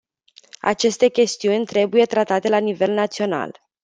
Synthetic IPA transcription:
a̰t͡ʃe̞st̪e̞kʲe̞st̪iunʲt̪ɾe̞buje̞t̪ɾat̪at̪e̞lanive̞lnat̪sio̞na̰l

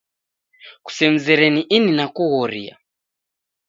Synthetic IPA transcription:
ku̥sɛm̩zɛɾɛniʔininakuɣɔɾḭa̰

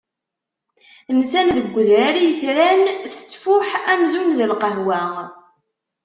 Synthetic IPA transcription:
nsænðəɡʷːðɾæɾijəθɾænθə̥t͡sːfʊħæmzunðəlqəɦwæ

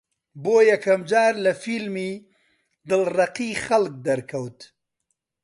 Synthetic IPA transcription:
boːjɐkʰɐmd͡ʒaːɾlɐfilmiː | d̪ɨlrɐqiːxɐlk̚d̪ɐɾkʰɐwt̪

